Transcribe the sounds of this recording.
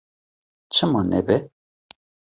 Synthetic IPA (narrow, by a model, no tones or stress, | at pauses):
t͡ʃʰɨmɑnɛ̰bɛ